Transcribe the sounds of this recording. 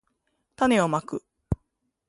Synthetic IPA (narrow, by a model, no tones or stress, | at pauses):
t̪ane̞omakɯ̟